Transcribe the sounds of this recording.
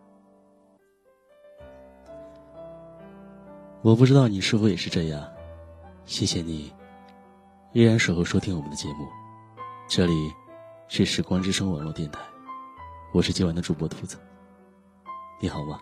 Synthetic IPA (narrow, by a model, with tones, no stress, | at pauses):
wɔ˨˩pu˥˩ʈ͡ʂɻ̩˥t̪ɑ˥˩ʊni˨˩ʂɻ̩˥˩fu˧˥jɛ˨˩ʂɻ̩˥˧ʈ͡ʂɤ˥˧ja˥˩ | ɕjɛ˥˩ɕjɛ˧˩ni˨˩ | i˥ɻa˧˥nʂwo˨˩ʊxo˥˧ʊʂwɔ˥t̪ʰi˥ŋwɔ˨˩mə˦nd̪ə˧t͡ɕjɛ˧˥mu˥˩ | ʈ͡ʂɤ˥˩li˨˩t͡ɕʰy˥˩ʂɻ̩˥˩kwɑ˥ŋʈ͡ʂɻ̩˥ʂɤ˥ŋwnwɔ˥˧˩t̪jɛ˥˩nt̪ʰa˧˥˦ɪ | wɔ˨˩ʂɻ̩˥˩t͡ɕji˥wa˧˥nd̪ə˧ʈ͡ʂu˨˩pwɔ˥t̪ʰu˧˥t͡sɹ̩˧˩ | ni˧˥xɑ˨˩ʊbɐ˦